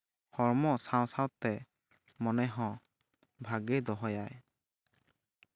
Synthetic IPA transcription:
hɔɹmɔʔsãw̃sãwt̪ɛ | mɔnɛɦɔ̃ | bʱaɡɛd̪ɔɦɔjaj

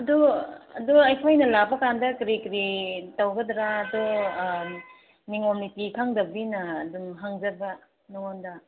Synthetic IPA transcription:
ɐduɐ̰duɐjpʰajnɐlabɐkandɐkɾikɾitawɡɐdɾaːdɔ | niŋomnitikʰaŋdɐbinɐːdumɦaŋzɐɾbɐ | nɔŋondɐ

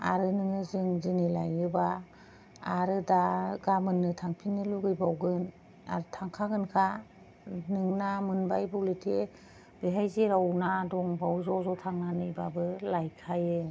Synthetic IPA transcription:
a̰ɾɯnɯŋɯzɯŋzɯnilajɯbaː | ɾɯdaɡamɯnːɯtʰaŋpʰinːɯluɡɯjbawɡɯn | a̰ɾɯtʰaŋkʰaɡɯnkʰa | nɯŋnamɯnbajbɔwletʰe | beɦajzeɾawnadɔŋbawzɔzɔtʰaŋnanɯjbabɯlajkʰajɯ

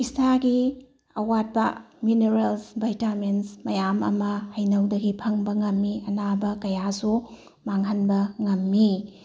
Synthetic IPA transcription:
istaɡi | ɐwat̚pɐmineɾelsbɐjtamensmɐjamɐ̰mɐhɐjnɐwdɐɡipʰɐŋbɐŋɐmːiɐnabɐkɐjasu | maŋɦɐnbɐŋɐmːi

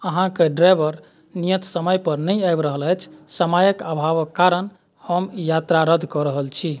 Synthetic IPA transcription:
əɦãkeɖɾajbəɾ | nijə̃t̪səməjpəɾnəjajbɾəɦəlɛt͡ʃʰsəmajəkabʱaʋəkːaɾən | həmjat̪ɾaɾəd̪ʱkɔɾəɦəlt͡ʃʰi

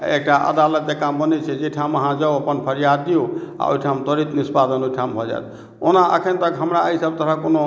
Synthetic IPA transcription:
ek̚ʈaʔə̰d̪alət̪ːekambənɛt͡ʃʰɛd͡ʒejʈʰamɦãd͡ʒawəpənpʰəɾijad̪ːijoa̰o̰jʈʰamt̪ɔɾit̪nispad̪ənojʈʰamɦɔd͡ʒa̰jt̪ʰ | onaʔə̰kʰent̪əkɦəmɾaəisəb̚t̪əɾakono

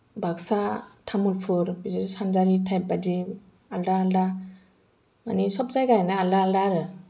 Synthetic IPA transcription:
bʱaɡsatʰamulpʰɯɾbizesanzaɾitʰajp̚badi | aldaːlda | ma̰nisɔp̚zajɡajnaːldaaldaɾɯ

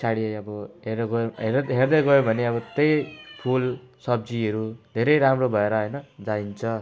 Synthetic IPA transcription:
saɽiʌbʌɦeɡʌjɦeɦerd̪ʌɡʌjobʱʌneʌbʌt̪ejp̪ʰulsʌb̚d͡ziʌɾud̪ʱeɾʌjɾamrobʱʌeɾʌɦʌjnʌd͡zaint͡sʰʌ

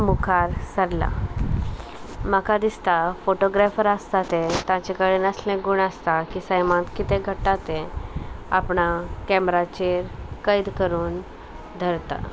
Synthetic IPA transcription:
mukʰaɾsəɾla̰ | makad̪ist̪afoʈoɡɾɛfəɾəst̪at̪ẽt̪ãt͡ɕekəɭinəslẽɡuɽəst̪akiːsəjmãt̪kit̪ẽɡʱəʈːat̪ẽ | apɳakɛmɾat͡ɕeɾkəjd̪kəɾuːn | d̪ʱəɾt̪a̰

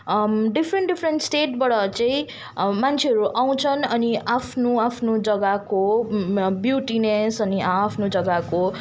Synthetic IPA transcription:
ɖipʰɾeɳʈɖipʰrenʈsʈeʈbʌɽʌt͡saĩ | mant͡sʰeɦʌɾuʔaw̃t͡sʰʌnʌniapʰnoapʰnod͡zʌɡako | bjuʈinesʌnipʰnod͡zʌɡako

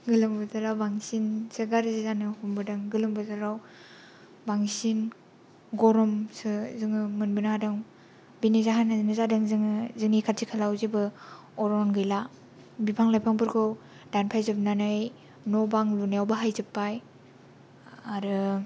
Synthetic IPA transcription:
ɡɯlɯmbɯtaɾawbaŋsinsɯɡaɾzizanɯhumbɯdɯŋɡɯlɯmbɯzaɾaw | baŋsin | ɡɔɾɔmsɯzɯŋɯmɯnbɯnahadaŋ | binizaɦanɯnɯzadɯŋzɯŋzɯŋnikʰaɾtʰikʰalawzibɯ | ɔɾɔnɡɯjla | bipʰaŋlajpʰaŋbɯɾɡɯw | danpʰajzɯbnanɯj | nɔbaŋlunajawbaɦajzɯpːaj | aɾɯ

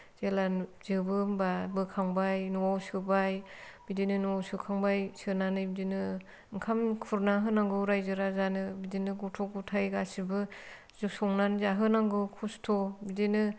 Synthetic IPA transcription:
z̥elaz̥ɯbɯbabɯkʰaŋbajnuwawsɯbajb̥idinɯnuwawsɯkʰaŋbajsɯnanɯbidinɯ | ŋkʰamkʰuɾnaɦɯnaŋɡɯwɾajzɯɾazanɯbidinɯɡutʰɔk̚ɡutʰajɡasibɯ | zusɔŋnanɯzaɦɯnaŋɡɯwkʰustʰɔbidinɯ

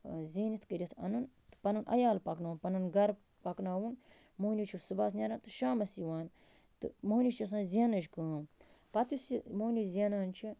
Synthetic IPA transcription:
ziːnit̪kɐɾʲit̪ʰɐ̰nun | t̪ɨ̥pɐnunʔɐ̰jaːlpɐknaunpɐnɐnɡɐɾ | pɐknaːwunmoːnit͡ʃʰusɨbaːs̬nʲɐɾaːnt̪ɨʃaːmɐsiʋaːn | t̪ɨ̰monit͡ʃʰɐs̬ãːnzʲenɐʒkaːmpɐt̪usimoːnʲizʲeːnaːnt͡ʃʰi

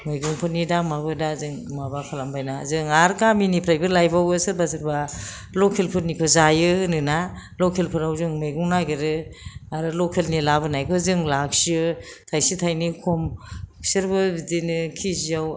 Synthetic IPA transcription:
mɯjɡuŋpʰɯtnidamabɯdazɯŋmabapʰalambajnazɯŋaɾkaminipʰɾajbɯɾlajbawɯsɯɾbasɯɾba | lɔkʰelpʰɯɾ̚nikʰɔzajɯnɯnalɔkʰelpʰɯɾawzɯŋmɯjɡuŋnaɡeɾɯaɾɯlɔkʰelnilabɯnajkʰɔzɯŋlak̚siɯtʰajsitʰajnikʰɔmsɯɾbɯbidinɯkʰizijaw

